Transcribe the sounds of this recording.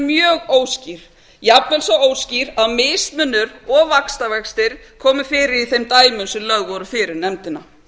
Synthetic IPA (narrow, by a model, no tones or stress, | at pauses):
mjœːɣoːwsciɾ̥ | japnɛlsɔoːwsciɾaðmeːjst̪mʏnːʏɾɔvakst̪avɛkst̪ɪɾ̥kʰɔːmʏfɪːɾɪɾiθejmt̪aːjmʏnsʏmlœɣvɔɾʏfɪːɾɪɾnɛmt̪ɪna